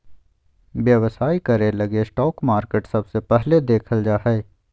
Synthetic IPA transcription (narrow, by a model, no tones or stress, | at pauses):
ʋjɐʋsaːikɐɾelɐɡesʈɔːkmaːɾkeːʈsɐbsepɛɦled̪eːkʰəld͡ʒaːɦɛː